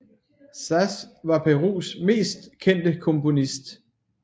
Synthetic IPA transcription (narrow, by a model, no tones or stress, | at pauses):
sæsʋɑ̈pʰeʁṵːsme̝̰ːsd̥kʰen̰d̥əkʰɔ̽mpo̝nisd̥